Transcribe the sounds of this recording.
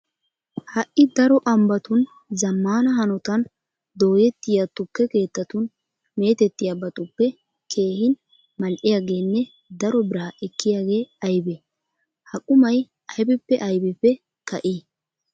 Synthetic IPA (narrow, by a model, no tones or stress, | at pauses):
hɐʔːɪd̪ɐɾɔʔɐmbɐt̪ʊn | zɐmːaːnɐɦɐnɔt̪ɐn | d̪o̞ːjɛt̪ːɪjat̪ːʊkːɛke̞ːt̪ːɐt̪ʊn | me̞ːt̪ɛt̪ːɪjabɐt̪ʼʊpːɛ | kʰe̞ːhɪn | mɐlʔɪjaːɡe̞ːnːɛ | d̪ɐɾɔbɪɾaːʔɛkːɪjaːɡe̞ːɐjbɛ | hɐkʼʊmɐj | ʔɐjbɪpːɛʔɐjbɪpːɛ | kɐʔiː